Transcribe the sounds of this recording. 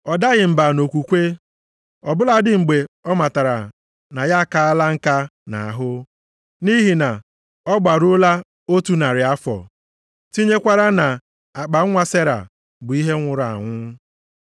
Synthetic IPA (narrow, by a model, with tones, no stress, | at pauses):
ɔ˨da˦ɣɪ˨m̩˨ba˨no˨kʷu˨kʷe˦ | ɔ˨bʊ˦la˨dɪ˨ŋ͡m̩˨ɡ͡be˨ɔ˦ma˨ta˨ɾa˨ | na˨ja˦ka˨a˦la˦ŋ̩˦˨ka˦na̰˨a˨ɦʊ˦ | ni˦ɦi˨na˨ | ɔ˦ɡ͡ba˨ɾʊ˦la˦ | o˦tu˦na˨ɾɪ˨a˦fɔ̰˨ | ti˦ɲe˦kʷa˦ɾa˦na˨ | a˨k͡pa˨˦ŋʷa˦se˦ɾa̰˨ | bʊ˨i˦ɦe˦ŋʷʊ˨ɾa̰˨ŋʷʊ˦